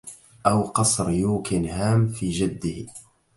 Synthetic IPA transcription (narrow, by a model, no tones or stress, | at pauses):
ʔawqɑsˤɾjuːkɪnhaːmfiːʒad̪ːɪh